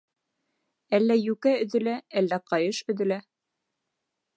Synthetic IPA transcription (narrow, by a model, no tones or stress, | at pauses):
ælːæjʉkæɵ̆ðɵ̆læʔælːæqɑjɤʃɵ̆ðɘ̆læ